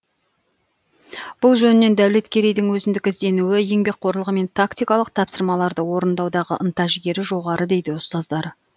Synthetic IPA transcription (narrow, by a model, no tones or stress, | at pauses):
b̥ʊlˠʒɵnɪnːe̞nd̪æwle̞t̪kʲʰe̞ɾe̞jd̪ɪŋwɵzɪnd̪ɪkʲɪzd̪e̞nuwɪje̞ŋbe̞k̚qʰo̞ɾəlˠʁəme̞nt̪ʰakt̪ijkɑlˠəqt̪ʰɑpsəɾmɑlˠɑɾd̪əwo̞ɾənd̪ɑwd̪ɑʁə̰ʔənt̪ɑʒɪɡʲe̞ɾɪʒo̞ʁɑɾʔəd̪e̞jd̪ɪʊst̪ɑzd̪ɑɾ